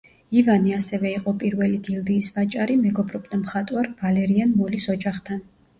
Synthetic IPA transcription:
ivaniasɛvɛiqʼɔpʼiɾvɛliɡild̪iːsvat͡ʃʼaɾimɛɡɔbɾɔbʼd̪amχat̪ʼwaɾvalɛɾianmɔlisɔd͡ʒaχt̪ʰan

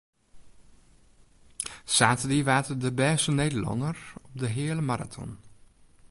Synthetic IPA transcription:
saːtədiʋaːtədəbɛːsəneːdəlɔ̰nərɔp̚dəɦɪələmaɾa̰tʰɔ̰n

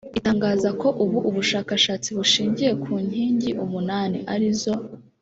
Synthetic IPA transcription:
itaːŋɡaːzako̞ʔuβuʔuβuʃaːkaʃaːt͡siβuʃiːɲɟije̞kʰuːɲ̥iːɲɟiʔumunaːniʔaɾizo̞

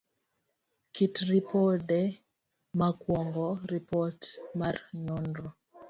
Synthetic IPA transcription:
kitɾipɔdɛ | makwɔŋɡɔɾipɔtmarnɔndɾɔ

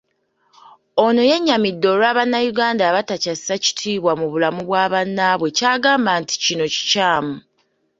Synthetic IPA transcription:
ono̞je̞ɲːamidːo̞ɾaːβanːajuɡaːndaːβatacasisaci̥tʰiːβwamuβulamuβwaːβanːaβwe̞caːɡaːmbaːnti̥cino̞ci̥caːmu

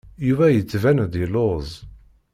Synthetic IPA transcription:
juvæjət͡sːvænðilozˤ

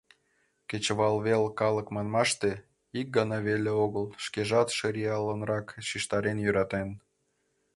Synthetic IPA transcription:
ket͡ɕβɑlβelkɑləkmɑnmɑʃt̪e | ik̚ɡɑnɑβelʲeoɣəlˠʃkeʒɑt̪ʃɤɾiɑlːənrɑkʃiʃt̪ɑɾenjyɾɑt̪en

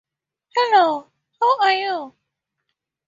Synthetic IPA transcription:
hɛloʊ | hoaju

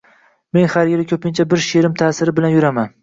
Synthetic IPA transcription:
me̞nhaɾjɪlɪkʲʰɵpɪnt͡ʃʰabɪɾʃeɾɪmt̪ʰaːsɪɾɪbɪlanjʊɾaman

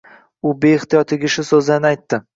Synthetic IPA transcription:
ʊbeɪht̪ijɒt̪ʰɪɡʲɪʃʊsɵzanɪajt̪ːɪ

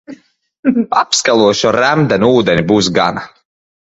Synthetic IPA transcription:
apskalˠuɔʃɔɾæmd̪ɛnʲuːd̪ɛnʲibuːs̬ɡa̰na

